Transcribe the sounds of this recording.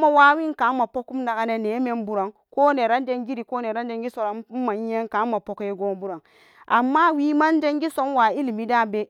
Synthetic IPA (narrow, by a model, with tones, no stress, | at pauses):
ma˨wa˦wi˦ŋka˨˦ma˨po˦ku˦m˦na˨ɡa˦ne˨ne˨˦me˦mbu˨ɾa˨ŋ | koː˦ne˨ɾa˦n˦de˦ŋɡi˦ɾi˨ko˦ne˨ɾa˦n˦d͡ʒe˦ŋɡi˦so˦ɾa˨˦ma˨ɲ˦e˦ŋka˨˦ma˨po˨˦ke˦ɡo˦m˦bu˦ɾa˨ŋ | ʔa˨mːa˦wiː˦ma˦n˦d͡ʒe˦ŋɡi˦so˦nwa˨i˦li˨mi˦da˦be˦